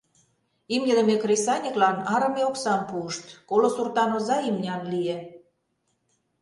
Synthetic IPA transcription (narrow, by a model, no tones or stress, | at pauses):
imə̆d̪ə̆mekrʲesɑnʲəklɑnɑɾə̆meoksɑmpuəʃt̪kolosurt̪ɑnozɑimnʲɑnlie